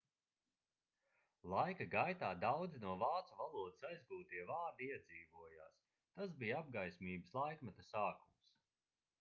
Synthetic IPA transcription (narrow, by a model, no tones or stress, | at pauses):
lˠajkaɡajt̪aːd̪awd̪zinuɔvaːt̪suvalˠuɔd̪ɨsajzɡuːt̪iɛvaːɾd̪iiɛd̪ziːvuɔja̰ːs | t̪asbijab̚ɡajsʲmiːbəslˠajkmat̪asaːkums